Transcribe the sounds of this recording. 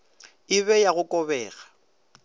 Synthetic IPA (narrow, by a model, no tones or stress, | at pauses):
ɪβɛjaɣʊkʼɔbɛːɣa